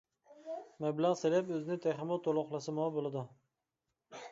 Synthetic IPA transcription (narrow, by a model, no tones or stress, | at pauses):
mablaʁselapɵzɪnɪt̪ʰaχɪmɒt̪ʰolˠʊqlˠasɪmɒbolˠad̪ɪ